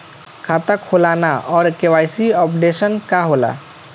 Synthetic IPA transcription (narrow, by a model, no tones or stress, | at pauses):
kʰat̪akʰolanaʔɔːɾkewajsiɔpɖesənkaɦola̰